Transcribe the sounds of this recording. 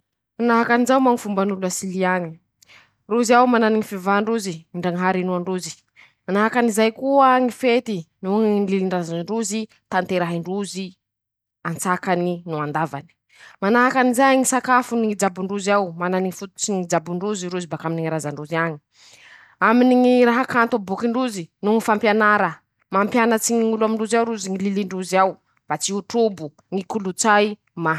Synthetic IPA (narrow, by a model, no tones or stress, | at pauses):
manaɦakanizawmaŋifumbanuluasiliaɲi̥ | ruziawmananiŋifivaɳɖ͡ʐuziiɳɖ͡ʐaŋiɦaɾinuaɳɖ͡ʐuzi̥ | manaɦakanizajkuaŋifet̪inuŋnliliɳrazaɳɖ͡ʐuzi | t̪ant̪eɾaɦiɳɖ͡ʐuzi | ant͡sakaninuand̪avani̥ | manaɦakanizajŋisakafuniid͡ʒabuɳɖ͡ʐuzawmananiifut̪u̥t͡siŋid͡ʒabuɳɖ͡ʐuziɾuzibakaminiŋiɾazaɳɖ͡ʐuziaɲi̥ | aminiŋiɾaɦakant̪obukiɳɖ͡ʐuzinuŋifampjanaɾə | mampjanət͡siɲiŋuluamiɳɖ͡ʐuzawɾuziŋililiɳɖ͡ʐuziaw | b̥at͡siuʈ͡ʂubu | ŋikulut͡saj | ma